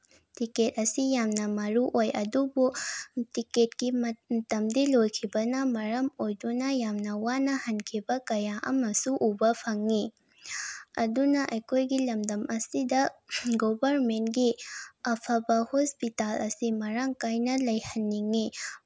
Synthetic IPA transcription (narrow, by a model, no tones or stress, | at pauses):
tiket̚ɐsijamnɐmɐɾuʔojʔɐdubutiket̚ɡimɐtɐmdilojkʰibɐnɐmɐɾɐmojdunɐjamnɐwanɐhɐnkʰibɐkɐjaʔɐ̰mɐsuʔubɐpʰɐŋːi | ɐ̰dunɐʔɐjkʰojɡilɐmdɐmʔɐsidɐɡobɐɾmentɡiɐpʰɐbɐhospitalɐsimɐɾaŋkajnɐlɐjhɐnːiŋi